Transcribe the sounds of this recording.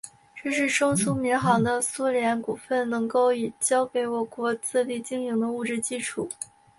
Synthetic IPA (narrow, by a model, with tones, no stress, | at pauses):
ʈ͡ʂɤ˥˧ʂɻ̩˥˩ʂɤ˥ŋsʰu˥mi˧˥ŋxɑ˧˥ŋd̪ə˧su˥ljɛ˧˥nku˨˩fə˥˩nnɤ˧˥ŋko˥˩ʊi˨˩t͡ɕjɑ˥ʊke˧˥ɪwɔ˨˩kwɔ˧˥t͡sɹ̩˥˧li˥˩t͡ɕi˥ŋi˧˥ŋd̪ə˧u˥˩ʈ͡ʂɻ̩˥˧t͡ɕi˥ʈ͡ʂʰu˥˩˦